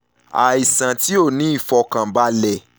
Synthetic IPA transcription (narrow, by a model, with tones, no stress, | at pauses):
a˨i˨sã˨ti˦o˦˨nĩ˨˦i˦˨fɔ˧kã˨ba˦lɛ˨